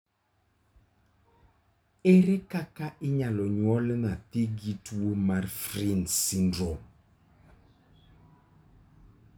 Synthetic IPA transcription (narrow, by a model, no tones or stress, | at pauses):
eɾɛkakaʔɪɲalɔɲwɔlɛnat̪iɡitwomaɾfrinsindɾɔ